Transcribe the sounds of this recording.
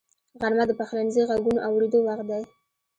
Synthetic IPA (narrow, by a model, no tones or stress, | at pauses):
ɣaɾmad̪əpaxlanziɣaɡunoʔawɾed̪owax̚d̪aj